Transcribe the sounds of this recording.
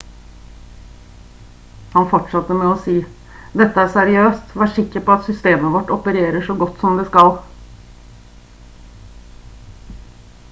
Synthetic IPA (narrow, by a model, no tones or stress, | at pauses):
hɑnfɔʈʂɑt̪ːəmɛɔsiː | d̪ɛt̪ːəæɾsæɾɪøːst̪ʋæːʂɪkːəɾpɔɑt̪sʏst̪eːməʋɔʈːɔpəɾeːɾəʂɔɡɔt̪ːsɔmd̪ɛskɑl